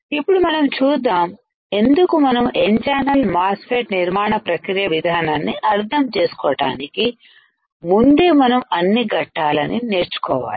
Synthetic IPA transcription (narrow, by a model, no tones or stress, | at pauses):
ipːuɽumɐnɐmt͡ʃuːd̪ːaːm | e̞nd̪ukumɐnɐmend͡ʒaːnɐlmaːspʰeːʈniɾmaːɳɐpɾɐkɾijɐʋid̪ʱaːnaːnːiʔɐɾd̪ʰʱɐmt͡ʃe̞ːsu̥kɔːʈa̰ːniki | mund̪eːmɐnɐmɐnːiɡɐʈːaːlɐnineːɾt͡ʃu̥kɔ̰ːʋa̰ːli̥